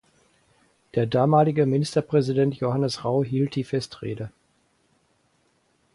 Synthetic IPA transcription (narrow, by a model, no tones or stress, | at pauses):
d̥eːɐdaːmaːlɪɡəmɪnɪstɐpʁ̥ɛzidɛntjohanəsʁaʊɦiːlt̚d̥iːfɛstʁḛːdə